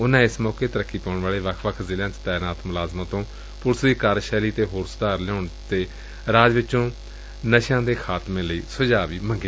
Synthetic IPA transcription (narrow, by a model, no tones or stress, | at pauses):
ʊnãːɪsmɔːkeːt̪əɾəkʰːiːpɛːʊɳʋaːɭeːʋəkʰʋəkʰzɪljãːt͡ʃt̪ɛːnaːt̪mʊlaːzmãːt̪õː | pʊɾsd̪iːkaːɾʃɛːliːt̪eːɦoːɾsʊd̪aːɾlɛʊːɳt̪eː | ɾaːd͡ʒʋɪt͡ʃõː | nəʃãːd̪eːkʰaːt̪mẽːləiːsʊd͡ʒaːʋiːmə̃ŋɡeː